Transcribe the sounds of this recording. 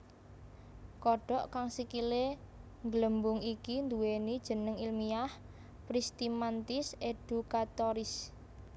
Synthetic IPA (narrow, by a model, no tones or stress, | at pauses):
kɔɖ̥ɔ̤ʔkaŋsikile | ŋɡləmbʊŋikind̪uwenid̥ʒ̥ə̤nəŋilmiah | pɾist̪imant̪ɪsed̪̥ṳkat̪ɔɾɪs